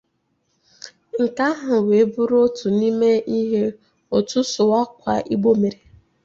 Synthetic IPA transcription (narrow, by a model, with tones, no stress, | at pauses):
ŋ̩˨ka˦ɦʊ˨we˨˦bʊ˦ɾo˦tu˨ni˦me˦i˦ɦe˦ | o˨tu˦sʊ˨wa˦kʷa̰˨ʔi˦ɡ͡bo˦me˨ɾe˨